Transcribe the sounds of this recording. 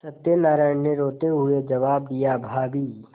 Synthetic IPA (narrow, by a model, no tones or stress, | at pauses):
sɐt̪jənaːɾaːɪɳneɾoːt̪eɦʊed͡ʒɐʋaːb̚d̪ijabʱaːbiː